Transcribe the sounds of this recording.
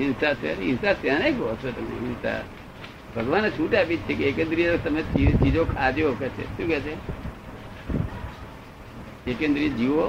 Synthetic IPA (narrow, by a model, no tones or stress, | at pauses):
ɪnsat͡ʃʰḛɾɪnsat̪jãneɡʱosʰet̪ɐmḛɪnsa̰ | bʱəɡʋanːet͡ʃʰũːʈaːpit͡ʃʰekeeːkẽnd̪ɾit̪əmet͡ʃit͡ʃiːd͡ʒokʰaːd͡ʒjookɛːt͡ʃʰḛʃũːkɛt͡ʃʰe | ekẽnd̪ɾid͡ʒiʋo